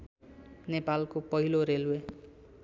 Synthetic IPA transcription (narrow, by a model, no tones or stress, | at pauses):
nepalkopʌɦiloɾelwe